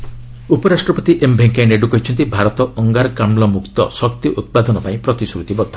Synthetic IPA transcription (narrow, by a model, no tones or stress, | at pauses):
upɔɾasʈɾɔpɔt̪iʔembʱeŋkaeneɖukɔɦit͡ʃʰɔnt̪ibʱaɾɔt̪ɔʔɔŋɡaɾɔkamlɔmukt̪ɔ̰sɔk̚t̪iʔut̪̚pad̪ɔnɔpaĩpɾɔt̪isɾut̪ibɔd̪ʱːɔ